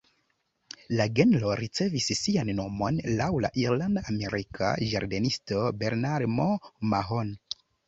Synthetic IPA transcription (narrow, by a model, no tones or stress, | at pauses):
laɡe̞nlo̞ɾit͡se̞visːianːo̞mo̞nlawla̰ʔiɾlandaame̞ɾikʰa̰d͡ʒa̰ɾde̞nisto̞be̞ɾnaɾmomaɦon